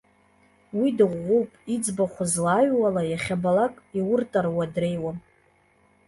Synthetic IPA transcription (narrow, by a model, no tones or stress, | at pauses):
widɨʁʷːuwpʼid͡zbaχʷazlaɥwalajaχʲabalakʼiwʊrtʼarwadre̞jwa